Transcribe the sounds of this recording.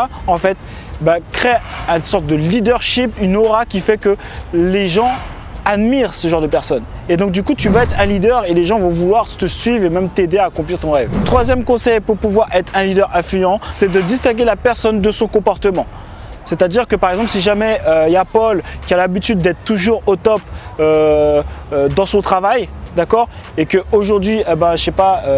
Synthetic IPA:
ɑ̃fɛt̪ | bakχeynsɔʁt̪̚d̪əlid̪œʁʃipynɔʁakʲifɛkə | leʒɑ̃ | ad̪miʁsəʒɑ̃ʁd̪əpɛʁsɔn | ed̪ɔ̃k̚d̪ykut̪yvaɛt̪χɛ̃lid̪œʁeleʒɑ̃vɔ̃vulwaʁt̪əsɥivʁemɛmt̪ed̪eaːkɔ̃p̬liʁt̪ɔ̃ʁɛvt̪χwazjɛmkɔ̃sɛjpuʁpuvwaʁɛt̪χɛ̃lid̪œʁɛ̃flyjɑ̃sɛd̪əd̪ist̪ɛ̃ɡʲelapɛʁsɔnd̪əsɔ̃kɔ̃pɔʁt̪əmɑ̃ | sɛt̪ad̪iʁkəpaʁɛɡzɑ̃plsiʒamɛøjapɔlkʲialabit̪yd̪ːɛt̪χət̪uʒuʁot̪ɔpø | ød̪ɑ̃sɔ̃t̪χavajd̪akɔʁ | ekəoʒuʁd̪ɥiebɛ̃ʃɛpaø

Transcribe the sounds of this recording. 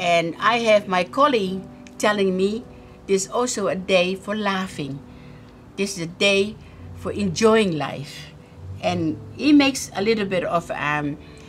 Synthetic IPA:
ɨ̃na̰ɪɨvmaɪkʰɑliɡ | tʰɛlɪ̃ŋmi | ðɪsɔlˠsoʊɨdeɪfə˞læfɪ̃ŋ | ðɪsɪzɨdeɪ | fə˞ʔɨ̃nd͡ʒɔɪɪ̃ŋla̰ɪf | ʔɨ̃nimeɪksəlɪɾl̩ˠbɪɾʌvʌm

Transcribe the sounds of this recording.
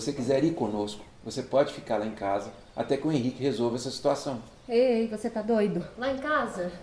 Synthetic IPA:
vosekizɛɾiɾkõnoskʊ̥vosepɔd͡ʒɪfi̥kaɾlaẽkazɐ | a̰t̪ɛkɪwẽɦikɪhezowvɐɛsɐsi̥t̪uasɐ̃w̃ | ejvoset̪ad̪ojd̪ʊlaẽkazɐ

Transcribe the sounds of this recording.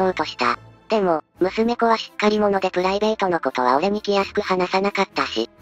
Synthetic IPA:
oɯ̟t̪o̞ɕi̥t̪a̰d̪̥e̞mo̞mɯ̟sɨme̞ko̞βaɕi̥kːaɾʲimo̞no̞d̪e̞pɯ̟ɾaibe̞ːt̪o̞no̞ko̞t̪o̞β̞a̰oɾe̞mʲikʲijasɨ̥kɯ̟hanasanakat̪ːaɕḭ

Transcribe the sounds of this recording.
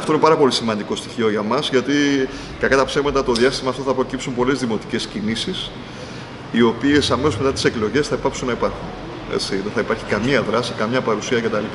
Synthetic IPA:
ɐft̪oinepɐɾɐpo̞lisimɐnd̪iko̞st̪i̥çio̞ʝɐmɐzʝɐt̪i | kɐkɐt̪ɐpsevmɐt̪ɐt̪o̞ðiɐst̪imɐːft̪o̞θɐpɾo̞cipsumpo̞le̞zðimo̞t̪i̥ce̞scinisis | io̞pie̞sɐmeso̞zme̞t̪ɐt̪i̥se̞klo̞ʝe̞sθɐipɐksunːɐipɐɾxun | ḛt͡siðe̞θɐipɐɾçi̥kɐmiɐðɾɐsikɐmɲɐpɐɾusiɐʝɐt̪ɐlip

